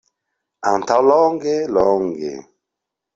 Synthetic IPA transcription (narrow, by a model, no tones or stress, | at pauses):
antawlɔŋɡelɔŋɡḛ